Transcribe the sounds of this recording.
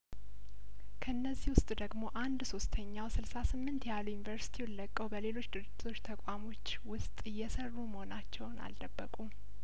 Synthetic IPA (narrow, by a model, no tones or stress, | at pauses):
kʰəɨnːəzːihwʊst̪ʼd̪əɡmo̞ʔand̪so̞st̪ʰəɲːawsɨlsasɨmːɨnt̪jalujunivəɾsi̥t̪ʰiwʊllːəkʼːəwbəle̞lo̞t͡ʃːd̪ɨɾɨd͡ʒɪt̪ʰo̞t͡ʃːt̪ʰəkʷʼamo̞t͡ʃːwʊst̪ʼɨjːɛsərːuməhonat͡ʃːɛwna̰ld̪əbːəkʼu